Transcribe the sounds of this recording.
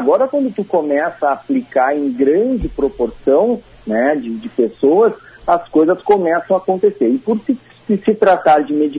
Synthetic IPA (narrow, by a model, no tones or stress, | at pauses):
aɡɔɾɐkwɐ̃nd̪ʊt̪ukomɛsɐaːplikaɾẽj̃ɡɾɐ̃d͡ʒɪpɾopoɾsɐ̃w̃ | nɛd͡ʒɪd͡ʒɪpesowɐsɐskojzɐskomɛsɐ̃w̃akõnt̪eseɾɪpʊɾkɪ | ɪsɪt̪ɾat̪aɾd͡ʒɪmed͡ʒi